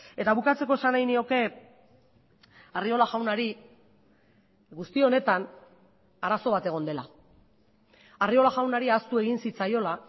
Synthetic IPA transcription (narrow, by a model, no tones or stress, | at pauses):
e̞t̪aβ̞ukat͡se̞ko̞e̞sanajnio̞ke̞ | ario̞laʝawnaɾi | ɣust̪io̞ne̞t̪an | aɾaso̞β̞at̪e̞ɣ̞o̞nd̪e̞la̰ | ario̞laʝawnaɾiast̪ue̞ɣ̞insit͡sajo̞la